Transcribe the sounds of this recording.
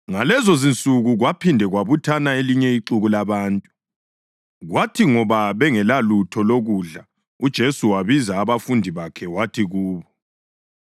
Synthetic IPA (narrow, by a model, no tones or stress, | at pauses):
ŋalɛzɔzint͡sʼuɣuɣwapʰindʱɛɣwaβutʰanaeliɲɛiǀuɣulaβaːntʼu | ɣwatʰiŋɔβaβɛŋɛlalutʰɔloɣuɮa | ud̥ʒ̥ʱesuwaβizaːβafundʱiβakʰɛwatʰiɣuːβɔ